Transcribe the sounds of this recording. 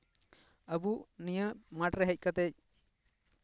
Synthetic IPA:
əbuʔnijəʔmaʈɾɛɦəc̚kat̪ɛc̚

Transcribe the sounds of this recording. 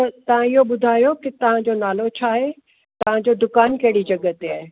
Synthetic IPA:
t̪ɐt̪ɐʋ̤ãɪɦoɓʊd̪ʱaːjokɪt̪ɐʋ̤ãd͡ʑonaːlot͡ɕʰaːɦe | t̪ɐʋ̤ãd͡ʑod̪ʊkaːnkɐɦɪɽid͡ʑɐɡət̪eaːɦe

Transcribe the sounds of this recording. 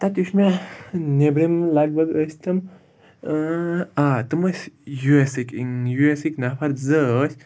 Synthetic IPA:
t̪at̪uʃmʲanebɾimlaɡ̚bɐd̪əsʲt̪ɐm | at̪ɨmɐsʲjuesikiŋjuesiknapʰaɾzəsʲ

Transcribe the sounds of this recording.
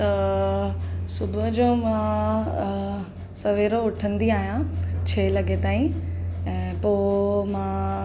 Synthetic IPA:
t̪ɐ | sʊbʱəd͡ʑoːmã | sɐʋeːɾoʊʈʰə̃nd̪iaːɦijãt͡ɕʰɐelɐɡet̪aːĩɛ̃ːpoːmãː

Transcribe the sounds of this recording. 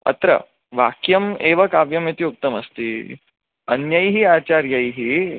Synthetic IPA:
ɐ̰t̪ɾə̰ | ʋa̰kjɐmeʋɐkaʋjɐmit̪iuk̚t̪ɐmɐ̰st̪iː | ɐnjɐjɦiat͡ɕaɾjəjɦiː

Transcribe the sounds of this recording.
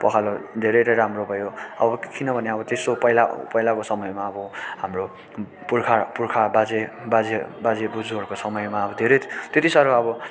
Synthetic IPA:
pʌkʰalod̪ʱeɾʌjɾʌɾamrobʱʌjoʌbʌkinʌbʱʌneʌbʌt̪esopʌɦilapʌɦilakosʌmʌjmaʌbʌɦamro | purkʰapuɾkʰabad͡zebad͡zebad͡zebud͡zuɦʌɾkosʌmʌjmaʌbʌd̪ʱeɾʌt̪et̪isʌɾʌbʌ

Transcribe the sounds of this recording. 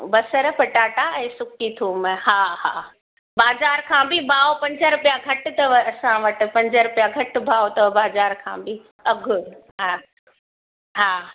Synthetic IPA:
bɐsəɾpɐʈaːʈaɛ̃ːsʊkkit̪ʰuːməhaːɦa̰ː | baːzaːɾkʰãːbʱɪbʱaːopɐ̃ɲd͡ʑəɾʊpjaɡʱɐʈʊt̪ɐʋɐsãʋɐʈɪ̆pɐ̃ɲd͡ʒəɾʊpjaɡʱɐʈ̆bʱaːot̪ɐʋbaːzaːɾkʰã̰ːbɪ | ɐɡʱʊɾ | ɦa | ɦaː

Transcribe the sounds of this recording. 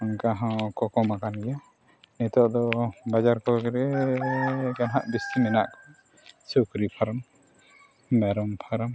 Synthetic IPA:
ɔŋkaɦɔ̃kɔkɔmakanɡɛja | nɛt̪ɔʔd̪ɔbad͡ʒaɾkɔɡɾɛ | ɡanɦaʔbist̪imɛna̰ʔkɔ̥ | sukɾipʰaɾɔm | mɛɾɔmpʰaɾɔm

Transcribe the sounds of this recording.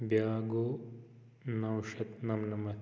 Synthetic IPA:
bjaːɡoː | nɐwʂɐt̪nɐmnɐmɐ

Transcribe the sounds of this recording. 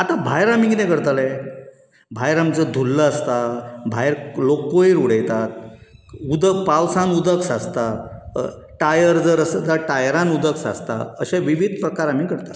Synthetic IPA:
at̪abʱajɾamikinɛ̃kəɾt̪alɛ | bʱajɾamt͡səd̪ʱulːəːst̪abʱajɾlokːoiɾuɽəjt̪at̪̚ | ud̪əkpawsãnud̪əksast̪a | ʈajəɾd͡zəɾəsd͡zəʈajɾãnud̪əksa̰st̪a̰əɕaʋiʋid̪ʱpɾəkaɾam̤ikəɾt̪at

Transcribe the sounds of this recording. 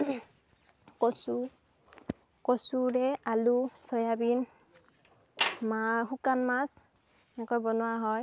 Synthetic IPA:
kɔsu | kɔsuɹɛalusɔjabin | maɦukanmas | nɛkɔjbɔnʊwaɦɔj

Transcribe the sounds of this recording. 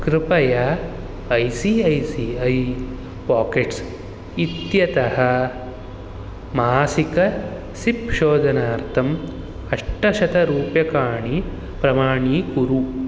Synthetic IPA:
kɾɪpɐjɐ | ɐjsiɐjsiːɐj | paːkeʈs | it̪jɐt̪ɐhɐ | maːsikɐ | sipʃoːd̪ɐnaːɾt̪ʰɐm | ɐʂʈɐʃɐt̪ɐɾuːpjɐkaːɳi | pɾɐmaːɳiːkuɾu

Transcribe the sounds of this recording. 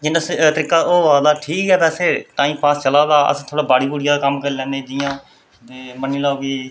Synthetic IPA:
d͡ʒɪnəst̪əɾɪkaːoːʋaːd̪aːʈʰiːkɦɛːpɛːseːt̪ãːĩːpaːst͡ʃəlaːd̪aːə̰st̪ʰoːɽaːbaːɽiːbuːɽɪjãːkəmkəɾiːlɛ̃ːneːd̪ɪjãː | t̪eːməniːlaːoɡiː

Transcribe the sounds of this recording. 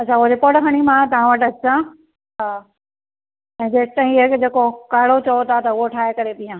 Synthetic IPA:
ɐt͡ɕʰaʊɦɾepoːʈkʰɐɽ̃imãt̪ɐʋ̤ãʋɐʈɐt͡ɕʰã | ɦaː | ɛ̃ːd͡ʑeːkt̪aːɦĩɦekd͡ʑeːkokaːɽot͡ɕɐot̪ʰat̪ɐʊɦoʈʰaːɦekɐɾet̪ĩjãː

